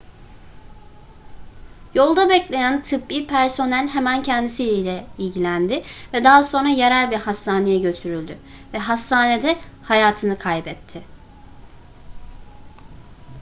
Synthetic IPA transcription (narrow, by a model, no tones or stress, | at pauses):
jo̞lˠd̪abɛclʲe̞jænt̪ʰɯpːiːpʰæɾso̞nælʲɦemæncʰɛnd̪isiilʲɛilʲɟilʲænd̪ɪvɛd̪aɦaso̞nɾaje̞ɾælʲbiɾhasːaːne̞jɛɟø̞t̪ʰyɾylʲd̪ʏ | vɛɦasːaːned̪ɛhajaːt̪ʰɯnɯkʰajbɛt̪ʰːɪ